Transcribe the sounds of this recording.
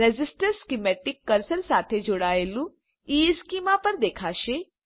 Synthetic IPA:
ed͡ʒɪsʈəɾskimɛːʈɪkːəɾsəlsaːt̪ʰed͡ʒʊɽaːelũ | iːskiːmapəɾd̪eːkʰaːʃe

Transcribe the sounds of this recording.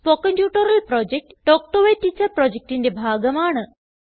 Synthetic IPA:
pokənʈjuːʈəɾəlpɾɔd͡ʑek̚ʈːɔk̚ʈoʋeʈːit͡ɕəɾpɾɔd͡ʑek̚ʈind̪ebʱaɡəmaːɳə

